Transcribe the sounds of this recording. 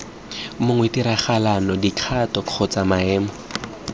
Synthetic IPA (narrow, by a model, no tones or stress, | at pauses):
mʊŋwɛtiɾaχalanɔdikʰatɔq͡χʰɔt͡samaɛːmɔ